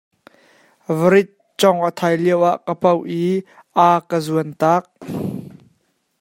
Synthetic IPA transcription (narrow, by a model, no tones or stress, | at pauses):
vəɾɪt̪̚ | t͡sɔŋʔət̪ʰajliəwʔaʔkəpɐwʔi | ʔakəzuənt̪aːk̚